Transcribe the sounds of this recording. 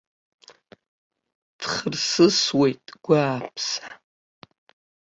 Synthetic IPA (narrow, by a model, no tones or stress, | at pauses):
d̥χərsɨswe̞jtʼɡ̥ʷaːpʰsa